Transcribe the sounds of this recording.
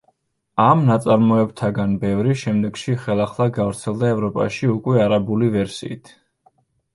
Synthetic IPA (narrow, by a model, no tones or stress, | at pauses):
amnat̪sʼaɾmɔɛb̚t̪ʰaɡanbɛvɾiʃɛmd̪ɛɡ̥ʃiχɛlˠaχlˠaɡavɾt̪sʰɛlˠd̪aɛvɾɔpʼa̰ʃiukʼwɛaɾabulivɛɾsḭit̪ʰ